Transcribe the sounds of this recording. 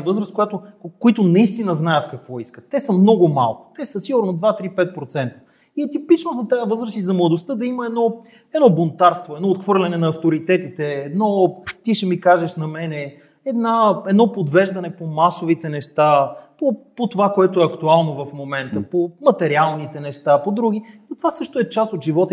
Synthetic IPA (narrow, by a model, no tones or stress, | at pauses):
vɤzɾəs̚kojat̪okoit̪ʊnɐist̪inəznajət̪kɐkvɔiskət̪ːɛsəmnɔɡʊma̰lˠkʊ̥t̪ɛsəsiɡʊɾnod̪vat̪ɾipɛt̪̚pɾot̪sɛnt̪ə̥ | iɛt̪ipit͡ʃnozɐt̪aəvɤzɾəsizɐmlˠɐd̪ost̪ɤd̪ɐiməɛd̪nɔ | ɛd̪nɔbont̪aɾst̪voɛd̪nɔot̪xvɤɾlʲɐnɛnɐɐft̪oɾit̪ɛt̪it̪ɛːd̪nɔt̪iʃɛmikaʒɛʃnɐmɛnɛ | ɛd̪naɛd̪nɔpod̪vɛʒd̪ɐnɛpomasovit̪ɛnɛʃt̪apopot̪ovakoɛt̪oɛɐkt̪ualˠnovɐfmomɛnt̪əpomɐt̪ɛɾialˠnit̪ɛnɛʃt̪apod̪ɾuɡ̟inot̪o̥vasɤʃt̪oɛt͡ʃast̪ot̪ʒivɔt̪